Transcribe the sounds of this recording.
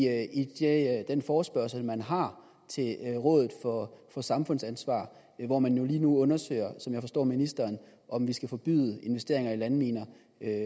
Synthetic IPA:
id̥ed̥enfɒːsb̥ɶɐsl̩mænɦɑ̈ | t͡sʰe̝lʁɔ̽ːðˠð̩ˠfɒfɒ̽sɑ̈mfɔ̽n̰sænsʋɑ̰̈ː | ʋɒmænjo̝liːnuɔ̽nɐsø̰ɪɐsɒ̽mjɑ̈ɪfɒ̽sd̥ɒ̰ːminisd̥ɐːn | ʔɒ̽mʋisɡ̥æfɒ̽b̥y̰ðˠəe̝nʋesd̥e̝ɐ̰e̝ŋɐilænmiːnɐ

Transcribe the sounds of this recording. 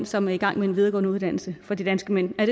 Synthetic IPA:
nsɒ̽mæɐiɡ̥ɑ̈ŋ̰mee̝nʋið̞ˠɐɡɒ̽ːnəuð̞ˠd̥æn̰l̩səfɒ̽d̥id̥ænsɡ̥əmen̰æɐde

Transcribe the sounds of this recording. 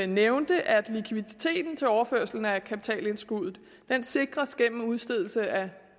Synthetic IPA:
neʊnd̥əʔæd̥likʰʋið̥it͡sʰe̝̰ːd̥n̩t͡sʰe̝lɒʊɐføɐ̰sl̩n̩ækʰæpi̥t͡sʰɛ̰ːle̝nsɡ̥uðˠð̩ˠ | d̥ense̝ɡ̥ʁɐsɡ̥em̰m̩uð̞ˠsd̥e̝ðˠl̩səʔæ

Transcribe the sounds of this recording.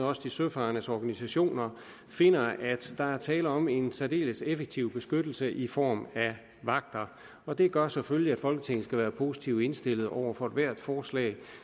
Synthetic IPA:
ɒ̽səd̥isøfɑ̈nəsɒːɡ̥ænisæɕo̝̰ːnɐ | fe̝nɐʔæd̥d̥ɑ̈æɐt͡sʰɛːləɒ̽me̝nsʰæde̝̰ːləsefeɡ̥̚t͡sʰiʊ̰b̥e̝sɡ̥ød̥l̩səʔifɒ̰ːmæ | ʋɑ̈ɡ̥̚d̥ɐ | ɒ̽d̥e̝ɡ̥ɶɐsɒ̽føliæd̥fɒ̽lɡ̥ət͡sʰe̝ŋ̰n̩sɡ̥æʋæːɐpʰo̝ːsi̥t͡sʰiʊe̝nsd̥e̝l̰ð̞̩ˠɒʊ̰ɐfɒ̽ed̥ʋæɐ̰d̥fɒːslɛ̰ːɪ

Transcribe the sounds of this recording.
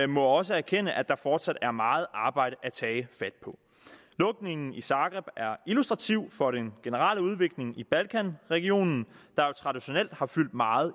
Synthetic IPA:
mɔ̽ɒ̽s̬əæɐkʰenəʔæd̥ɑ̈fɒːd̥sæd̥æɐmɑ̈ːð̞̩ˠʔɑ̈ːb̥ɑ̈ɪ̰ɾ̥əʔæt͡sʰɛːɪfæd̥̚pʰɒ̽ | lɔ̽ɡ̥ne̝ŋn̩isɑ̈ːɡ̥ʁɛb̥æɐilusd̥ʁɑ̈t͡sʰiʊ̰fɒ̽ɾ̥enɡ̥e̝nəʁɑ̰̈ːləuð̞ˠʋe̝ɡ̥le̝ŋib̥ælkʰænʁɛɡ̥io̝̰ːnn̩d̥ɑ̈jo̝t͡sʰʁɑ̈d̥iɕo̝nel̰d̥hɑ̈fyl̰d̥mɑ̈ːð̞̩ˠ

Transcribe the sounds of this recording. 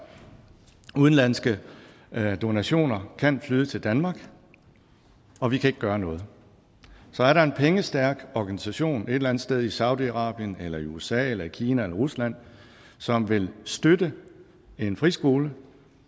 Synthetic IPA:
uð̞ˠn̩læn̰sɡ̥ə | d̥o̝næɕo̝̰ːnɐkʰæn̰flyðˠət͡sʰe̝ld̥ænmɑ̈ːɡ̥ | ɒ̽ʋikʰæe̝ɡ̥əɡ̥ɶːɐnɔ̽ːð̞̩ˠ | sɒ̽æɐɾɑe̝npʰeŋəsd̥æɐ̰ɡ̥ɒɡ̥ænisæɕo̝̰ːne̝d̥elænð̩̥ˠsd̥eð̞ˠisɑ̈ʊdiɑ̈ʁɑ̰̈ːb̥jənelɐiuesɛ̰ːelɐikʰiːnæelɐʁuslæn̰ | sɒ̽mʋe̝lsd̥ødə | e̝nfʁḭːsɡ̥o̝ːlə

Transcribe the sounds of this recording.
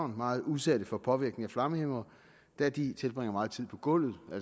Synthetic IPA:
ʊ̰nmɑ̈ːð̞̩ˠusæd̥əfɒ̽pʰɒ̽ʋiɐɡ̥ne̝ŋæflɑ̈məhemɐ | d̥æɐd̥it͡sʰe̝lb̥ʁɛŋɐmɑ̈ːð̞̩ˠt͡sʰið̰ˠpʰɒ̽ɡ̥ɔ̽l̰ð̩ˠʔæl

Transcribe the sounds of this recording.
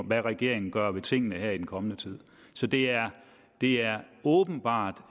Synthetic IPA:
ʋæʁɛɡ̥e̝̰ɐ̰e̝ŋn̩ɡ̥ɶɐʋe̝t͡sʰe̝ŋ̰ənəɦeɐ̰id̥enkʰɒ̽mənət͡sʰið̰ˠ | sɒ̽d̥e̝æɐ | d̥e̝æɐɔːb̥n̩b̥ɑ̰̈ːd̥

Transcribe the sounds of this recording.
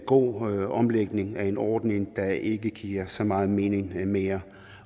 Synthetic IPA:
ɡ̥o̝̰ːɒ̽mleɡ̥ne̝ŋæɐe̝nɒːd̥ne̝ŋd̥ɑ̈ʔe̝ɡ̥əɡ̥ḭːɐsɒ̽mɑ̈ːð̩ˠme̝ːne̝ŋme̝ːɐ

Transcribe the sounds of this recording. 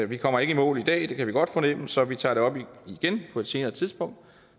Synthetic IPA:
ʋikʰɒ̽m̰ɐe̝ɡ̥əimɔ̰ːlˠid̥ɛ̰ːd̥e̝kʰæʋiɡ̥ɒ̽d̥fɒnemm̩sɒ̽ʋit͡sʰɑ̰̈ːɾ̥e̝ɒ̽b̥iiɡ̥enpʰɒ̽e̝d̥se̝ːnɐðːt͡sʰiðˠsb̥ɔ̽ŋ̰d̥

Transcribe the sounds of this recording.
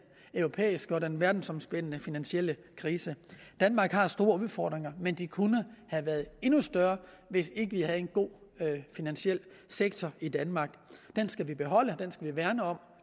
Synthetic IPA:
œʊʁo̝pʰḛːisɡ̥ɒ̽denʋæɐd̥n̩sɒ̽msb̥en̰ənəfinænɕiel̰ə | kʰʁiːsəd̥ænmɑ̈ːɡ̥hɑ̈sd̥o̝ːɐuðˠfɒ̰ːd̥ʁeŋɐmend̥ikʰunəhæʋæɐð̞̩ˠe̝nusd̥ɶɐ | ʋe̝se̝ɡ̥əʋiɦæðe̝nɡ̥o̝̰ːfinænɕiel̰ | seɡ̥̚t͡sʰɒid̥ænmɑ̈ːɡ̥d̥ensɡ̥æʋib̥e̝ɦɒ̽l̰əd̥ensɡ̥æʋiʋæɐnəɒ̽m̰

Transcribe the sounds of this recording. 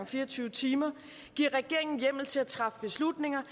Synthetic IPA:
ŋfiːɐt͡sʰyːʊət͡sʰiːmɐ | ɡ̥iɐ̰ʁɛɡ̥e̝ɐ̰eŋn̩jem̰l̩t͡sʰe̝æt͡sʰʁɑ̈fb̥e̝slud̥ne̝ŋɐ

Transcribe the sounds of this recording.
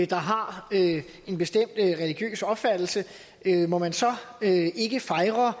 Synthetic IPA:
d̥ɑ̈ɦɑ̈ø | e̝nb̥e̝sd̥em̰d̥ʁɛliɡ̥jø̰ːsɒ̽b̥fæd̥l̩sə | ømɒ̽mænsɒ̽øe̝ɡ̥əfɑ̈ɪʁɐ

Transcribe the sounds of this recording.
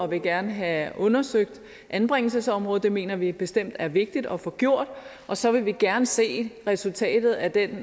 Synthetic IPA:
ɒ̽ʋe̝ɡ̥æɐnəɦæɔ̽nɐsøɡ̥̚d̥ | ʔænb̥ʁɛŋ̰l̩səsɒ̽mʁɔ̽ð̩ˠd̥e̝me̝̰ːnɐʋib̥e̝sd̥em̰d̥æɐʋe̝ɡ̥̚d̥id̥ɒ̽fɒ̽ɡ̥jo̝ɐ̰d̥ | ʔɒ̽sɒ̽ʋe̝ʋiɡ̥æɐnəse̝̰ːʁɛsult͡sʰɛ̰ːd̥ð̩ˠæd̥en

